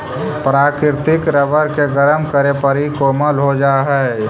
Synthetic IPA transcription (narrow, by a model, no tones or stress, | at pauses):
pɾaːkɪɾt̪ɪkɾəʋəɾkeɡəɾəmkəɾepəɾikoːməlɦod͡ʒaːɦɛ